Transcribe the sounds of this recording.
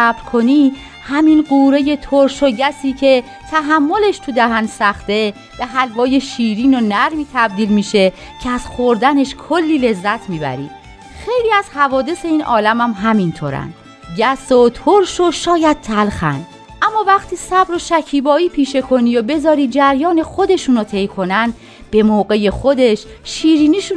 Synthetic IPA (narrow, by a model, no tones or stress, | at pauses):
æbɾkʰo̞niː | hæminɢuːɾe̞je̞t̪ʰoɾʃoɟæsiːcʰe̞ | t̪ʰæɦæmːo̞le̞ʃt̪ʰud̪æɦænsæχt̪e̞ | b̥eɦælvɒːje̞ʃiːɾiːnonæɾmiːt̪ʰæb̚d̪iːlmiːʃe̞ | cʰeæz̥xoɾd̪æne̞ʃkʰolːiːle̞zːæt̪ʰmiːbæ̰ɾḭː | xe̞jliːæzhævɒːd̪e̞se̞iːnʔɒ̰ːlæmæmɦæmint̪ʰoːɾæ̰nd̪̥ | ɟæsot̪ʰoɾʃoʃɒːjæd̪̚t̪ʰælxæ̰n | ʔæmːɒːvæχt̪ʰiːsæbɾoʃæcʰiːbɒːiːpʰiːʃe̞kʰo̞niːjobe̞zɒːɾiːd͡ʒæɾjɒːne̞xo̞d̪e̞ʃuːnot̪ʰe̞jkʰo̞næn | b̥e̞moːɣe̞je̞xod̪e̞ʃ | ʃiːɾiːniːʃu